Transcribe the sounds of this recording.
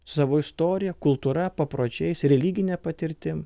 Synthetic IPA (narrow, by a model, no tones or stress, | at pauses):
sʊ̥sɑːʋoːɪst̪oːɾʲɪjɛkʊlˠt̪uːɾɐpɐpɾoːd͡ʒʲɛɪsɾʲɛlʲiːɡʲɪnʲɛːpɐt̪ʲɪɾʲt̪ʲɪm